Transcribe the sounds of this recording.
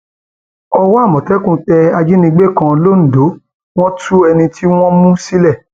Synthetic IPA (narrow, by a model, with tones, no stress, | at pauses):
ɔ˧wɔ˦a˦˨mɔ̃˨tɛ˦kũ˦˨tɛ˧a˧d͡ʒi˦nĩ˧˦ɡ͡be˦˨kã˧lo˦n̩˨do˨˦ | w̃ɔ̃˦tʰu˦ɛ˧nĩ˧tʰi˦w̃ɔ̃˦mũ˦si˦lɛ˦˨